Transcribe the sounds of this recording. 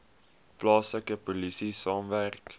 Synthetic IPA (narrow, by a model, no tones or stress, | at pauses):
plɑːsləkəpolisisɑːmværk